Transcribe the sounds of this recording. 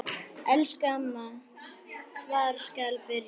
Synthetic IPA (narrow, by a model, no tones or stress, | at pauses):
ɛlskama | kʰvaːɾ̥skalpɪɾj